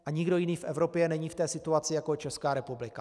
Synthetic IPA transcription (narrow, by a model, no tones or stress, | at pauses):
ʔaɲɪɡdo̞jɪniːfʔɛvɾo̞pjɛnɛɲiːft̪ɛːsɪt̪uat͡sɪjakot͡ʃɛskaːɾɛpublɪka